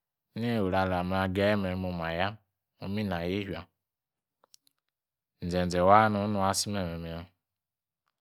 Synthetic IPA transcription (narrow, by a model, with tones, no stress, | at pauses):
ne˦o˨ɾa˨la˨m˨˦a˨ɡe˦me˨˦mo˨ma˨ja˦ | mo˦mi˦na˨je˦ɦi˨a˨ | n̩˨d͡ʒe˨n̩˨d͡ze˨wa˦nu˨˦nu˨a˦si˦me˨me˨me˨˦a˦